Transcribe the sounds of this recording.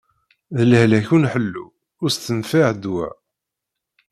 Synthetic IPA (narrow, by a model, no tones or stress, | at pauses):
ðələhlæçunħəlːṵ | ʊɾst̪ːənfaʕd̪wæ̰